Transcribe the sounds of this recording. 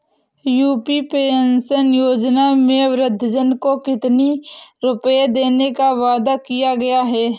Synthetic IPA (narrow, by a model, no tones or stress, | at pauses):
juːpipeːnsənjoːd͡ʒnamẽʋɾɪd̪ʱːəd͡ʒənkokɪt̪niɾʊpjed̪eːnekaʋaːd̪akijaɡɐjaɦɛː